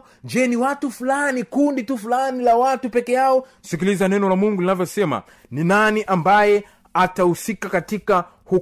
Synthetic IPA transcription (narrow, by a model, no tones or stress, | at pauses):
d͡ʒɛniwatufulanikunditufulanilawatupɛkɛjaɔsikilizanɛnɔlamuŋɡulinavjɔsɛma̰ | ninaniʔambajɛ | atausikakatika | hu